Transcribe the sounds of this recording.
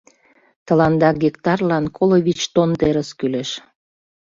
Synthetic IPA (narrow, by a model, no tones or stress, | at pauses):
t̪ə̆lɑnd̪ɑɡikt̪ɑrlɑnkʰoloβit͡ɕt̪ont̪eɾəskyleʃ